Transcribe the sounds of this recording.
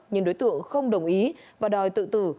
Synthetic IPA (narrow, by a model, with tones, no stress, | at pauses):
ɲɨ˧˦ŋɗo˨˦jt̪ɨ̰˧˨əŋxə˧wŋ͡mɗə˨˩wŋ͡mʔi˨˦vaː˨˩ɗɔ˨˩jt̪ɨ̰˧˨t̪ɨ̰˧˩